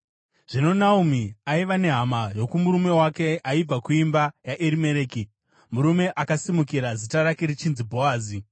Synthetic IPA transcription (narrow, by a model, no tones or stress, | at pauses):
ʐ̥ino̞naumiaiʋane̞ɦamajo̞kumuɾume̞wake̞ʔaib͡vakuimbajaʔeɾime̞ɾeːki | muɾume̞ʔakasimukiɾazitaɾakeɾit͡ʃinzibʱo̞aːzi